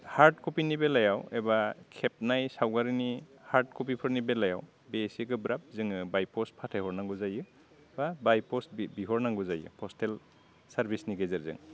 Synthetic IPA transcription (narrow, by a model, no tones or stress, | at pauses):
haɾd̚kʰupinibelajawebakʰep̚najsawɡaɾinihaɾd̚kʰup̬ipʰɯɾnibelaja̰w | besikɯbɾap̚zɯŋɯbajpʰɔspʰatʰajhɔɾnaŋɡuzajɯ | babajpʰɔsbbiɦɔɾnaŋɡuzajɯ̰pʰɔstʰel | saɾbʱisniɡezɯɾzɯ̰ŋ